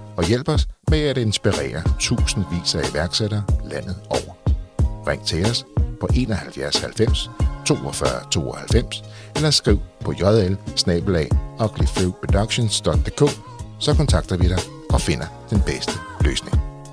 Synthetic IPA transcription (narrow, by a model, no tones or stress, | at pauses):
ɒ̽jel̰b̥ɒ̽smeæɾ̥e̝nsb̥iʁɛ̰ːɐt͡sʰṵːsn̩ʋḭːsɐæiʋæɐɡ̥seɾɐːlæn̰ð̞̩ˠɒʊ̰ɐʁɛŋ̰t͡sʰe̝æspʰɒ̽ʔe̝̰ːnɒ̽hælfjæɐshælfem̰st͡sʰo̝̰ːɒfɶɐt͡sʰo̝̰ːɒ̽hælfem̰selɐsɡ̥ʁiʊ̰pʰɒ̽jɒðˠelsnɛ̰ːb̥əlɛ̰ɒ̽ɡ̥lifiʊpʰod̥ɑɡ̥ɕonsd̥ɒ̽ɡ̥̚d̥e̝ːkʰɔ̰ː | sɒ̽kʰɒ̽nt͡sʰɑ̈ɡ̥d̥ɐʋiɾ̥ɑ̈ɪ | ɒ̽fe̝n̰ɐd̥enb̥esd̥əlø̰ːsne̝ŋ